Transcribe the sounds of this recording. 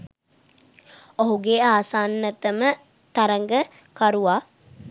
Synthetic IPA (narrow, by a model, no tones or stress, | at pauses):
oɦuɡeaːsaːnːət̪əmə | t̪aɾəŋɡə | kaɾuʋaː